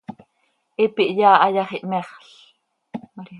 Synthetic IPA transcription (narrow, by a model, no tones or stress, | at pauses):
ʔipiʔjaːʔɑjɑχiʔmɛχɬ